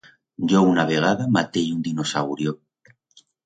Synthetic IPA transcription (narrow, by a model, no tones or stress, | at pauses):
ɟ͡ʝounaβ̞eɣ̞aðamat̪ejund̪inosawɾjo